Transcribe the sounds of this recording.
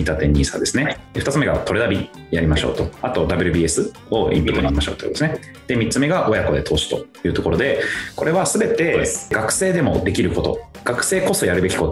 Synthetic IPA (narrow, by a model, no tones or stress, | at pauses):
it̪at̪ẽ̞ɲ̟ːiːsa̰d̪e̞sɨne̞ɯ̟t̪at͡sɨme̞ɡat̪o̞ɾed̪abʲi | jaɾʲimaɕo̞̰ːt̪o̞at̪o̞d̪abɯ̟ɾɯ̟bʲiːe̞sɨ | o̞ʔḭ̃mpɯ̟d̪onaɾimaɕoːt̪okd̪esɨne | d̪̥e̞mʲitt͡sɨme̞ɡaʔo̞jako̞d̪e̞t̪ʰo̞ːsi̥t̪o̞̰jɯ̟ːt̪o̞ko̞ɾo̞d̪e̞ko̞ɾe̞βasɨbe̞t̪e̞ɡakɯ̟̥se̞ːd̪e̞mo̞̰d̪e̞kʲiɾɯ̟ko̞t̪o̞̰ɡ̥akɯ̟̥se̞ːko̞so̞jaɾɯ̟be̞kʲi̥ko̞